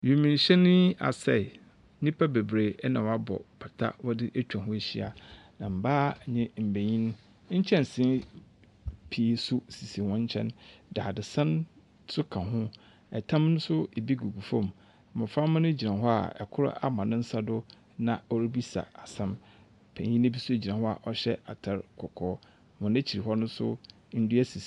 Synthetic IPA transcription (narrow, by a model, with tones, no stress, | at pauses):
ju˨mĩ˨n˨ɕɛ˦nɪ̃˦a̰˨sɛ̰˨˦ | nĩ˦pʰa˦be˨bɾe˨˦nã˨wa˦bɔ̰˨pʰa˨tʰa̰˦wɔ˦dɪ˦ʔæ˦t͡ɕᶣã˨ɦʊ̃˦˨ɕi˦a̰˨nã˨m̩˨baː˦˨ɲɪ̃˦m̩˨be˨ɲĩ˦ñ˦ | ɲ̩˦t͡ɕʰɛ̃˦n˨sɪ̃˦ | pʰi˨˦sʊ˦˨si˨si˨wɔ̃˦ɲ˦t͡ɕʰɛ̰̃˦ndaː˨dɪ˨sã˦n | sʊ˦kʰã˨ɦʊ̃˦ | ɛ˨tʰã˦mnʊ̃˦sʊ˦e˨bi˦ɡu˨ɡu˨fɔ̃˦m˨ | mʊ̃˨fa˦m̃˦nʊ̃˦d͡ʑi˨nã˨ɦɔ˦a̰˨ɛ̰˨kʰʊ˦ɾa̰˦ʔa˨mã˨nʊ̃˦n̩˦sa˦dʊ˦ | nã˨ɔ˦ɾi˦bi˦sa̰˨a˨sɛ̃˦m | pʰæ̰̃˨ɲĩ˦n˦bi˦sʊ˦e˨d͡ʑi˨ã˨hɔ˦a̰˨ʔɔ˦ɕɛ˦a̰˨tʰa˨ɾkʰɔ˨kʰɔː˨˦˨ | mʊ̃˨nã˦t͡ɕʰi˨ɾi˨ɦɔ˦nʊ̃˦sʊ̰˦ | n̩˦dʊ˦æ˦si˨s